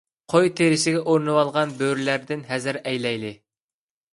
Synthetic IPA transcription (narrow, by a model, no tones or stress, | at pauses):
qʰojt̪ʰeɾɪʃɪɡʲɛʔoɾnɨwɑlˠʁɑnbøɾlæɾd̪ɪnɦæzɪɾɛjlɛjlɪ